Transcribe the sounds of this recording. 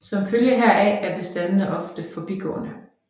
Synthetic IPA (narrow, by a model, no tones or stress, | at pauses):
sɒ̽mføljəɦæɐææɐb̥e̝sd̥ænəð̩ˠəʔɒ̽fd̥əfɒ̽b̥ḭɡ̥ɔ̰̽ːnə